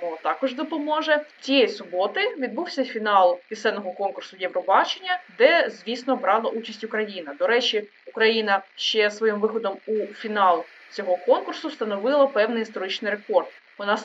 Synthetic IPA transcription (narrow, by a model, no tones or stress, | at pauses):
ɔt̪ɑkɔʒd̪ɔpɔmɔʒɛt͡sʲijɛjsʊbɔt̪ɪʋʲid̪̚buwsʲɐfʲinɑlˠpʲisɛnɔɦɔkɔnkʊrsʊjɛwɾɔbɑt͡ʃenʲːɐd̪ɛzʲʋʲisnɔbɾɑlˠɐʔut͡ʃɐsʲtʲʊkɾɐjinɐd̪ɔɾɛt͡ʃʲi | ʊkɾɐjinɐʃt͡ʃɛsʋɔjimʋɪxɔd̪ɔmufʲinɑlˠ | t͡sʲɔɦɔkɔnkʊrsʊst̪ɐnɔʋɪlˠɐpɛwnɪjist̪ɔɾɪt͡ʃnɪjɾekɔrd̪ | ʊnɑs